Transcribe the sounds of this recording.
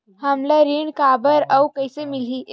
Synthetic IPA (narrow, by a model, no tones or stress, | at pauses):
həmlaɾiːɳkabəɾawkəjsemiliː